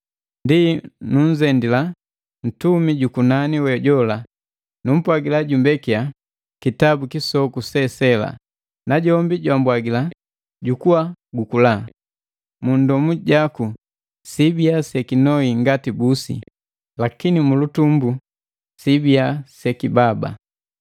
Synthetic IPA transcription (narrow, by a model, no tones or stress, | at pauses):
ndinuɲ̩zɛndila | n̩tumiɟukunaniwɛɟɔla | num̩pwaɡilaɟumbɛkia | kitabukisɔkusɛsɛla̰ | naɟɔmbiɟwambwaɡila | ɟukuwaɡukula | mundɔmuɟaku | sibiasɛkinɔiŋɡatibusḭ | lakinimulutumbu | sibiasɛkibaba̰